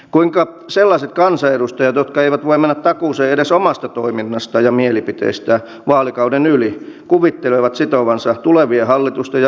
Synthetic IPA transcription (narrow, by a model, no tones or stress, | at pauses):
kuiŋkɑ | selːɑset̪̚kɑnsɑedust̪ɑjɑt̪jot̪kɑeiʋæt̪ʋoimænːæt̪t̪ɑkuːseedesomɑst̪ɑt̪oiminːɑst̪ɑjɑmielipit̪ḛist̪æ | ʋɑːlikɑudenylikuʋit̪ːeleʋɑt̪sit̪oʋɑnsɑt̪uleʋiehɑlːit̪ust̪ɑjɑ